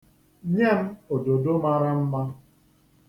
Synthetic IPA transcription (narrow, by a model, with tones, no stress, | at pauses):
ɲe˦m̩˦o˨do˨do˦ma˦ɾa˦m̩˦ma˦